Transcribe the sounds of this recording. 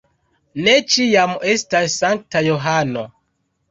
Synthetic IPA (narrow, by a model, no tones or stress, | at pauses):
ne̞t͡ʃijame̞stasːaŋk̚tajoɦano